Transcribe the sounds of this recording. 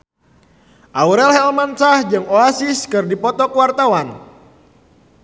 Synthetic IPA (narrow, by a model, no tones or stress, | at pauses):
ʔauɾɛlɦɛlmansahd͡ʒɨŋoasiskɨrdipɔt̪ɔkwart̪awan